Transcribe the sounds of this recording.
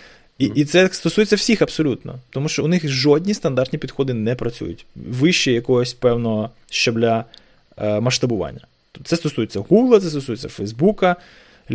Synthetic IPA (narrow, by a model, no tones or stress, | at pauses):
iʔit̪sɛst̪ɔsujet͡sʲːɐw̥sʲixɐbsɔlʲut̪nɔ̰t̪ɔmuʃt͡ʃɔʊnɪxʒɔdʲnʲist̪ɐnd̪ɑrt̪nʲipʲid̪xɔd̪ɪnɛpɾɐt͡sʲṵjʊ̰tʲʋɪʃt͡ʃɛjɐkɔɦɔsʲpɛwnɔɦɔ | ʃt͡ʃɔblʲɐ | mɐʃt̪ɐbʊʋɑ̰nʲːɐ | t̪sɛst̪ɔsujet͡sʲːɐɦuɡlˠɐt̪sɛst̪ɔsujt͡sʲːɐfɛjzbukɐ